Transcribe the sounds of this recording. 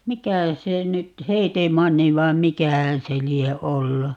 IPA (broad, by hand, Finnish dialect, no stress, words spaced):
mikæ se nyt heːtemɑnːi ʋɑim mikæhæn̞ se lie olːu